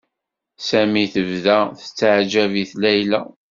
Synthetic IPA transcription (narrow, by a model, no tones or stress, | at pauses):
sæmiθəvðæθə̥t͡sːaʕd͡ʒæviθlæjlæ